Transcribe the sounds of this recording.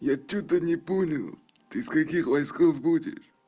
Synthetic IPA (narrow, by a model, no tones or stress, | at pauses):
jat͡ɕːut̪ənʲɪponʲɪlˠ | t̪ɨskɐkʲixvɐjskofbudʲɪ̰ʂ